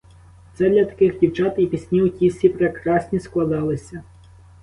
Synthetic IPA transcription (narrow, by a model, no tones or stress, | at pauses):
t̪sɛd̪lʲɐt̪ɐ̥kɪxdʲiwt͡ʃɑt̪ipʲisʲnʲiutʲisʲipɾekɾɑsʲnʲisklˠɐd̪ɑlˠɪsʲɐ